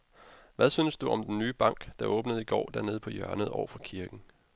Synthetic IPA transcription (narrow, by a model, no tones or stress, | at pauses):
ʋæðˠsynsd̥uɒ̽md̥enːyːb̥ɑ̈ŋ̰ɡ̥d̥ɑ̈ʔɔ̽ːb̥nəð̞̩ˠiɡ̥ɒ̰ːd̥æɐne̝ːð̞̩ˠpʰɒ̽jœɐnəð̩ˠɒʊɐfɒkʰiɐɡ̥n̩